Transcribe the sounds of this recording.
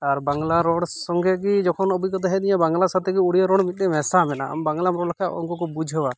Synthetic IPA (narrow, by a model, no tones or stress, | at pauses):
aɾbaŋɡlaɾɔɽsɔŋɡɛɡid͡ʒɔkʰɔnɔbukɔt̪aɦɛd̪iɲãbaŋɡlasat̪ɛɡiuɽijaɾɔɽmit̪̚ɗɛmɛsamɛna̰a̰mbaŋɡlamɾɔɽkʰaɔ̰ŋkɔkɔbud͡ʒʱɦəwa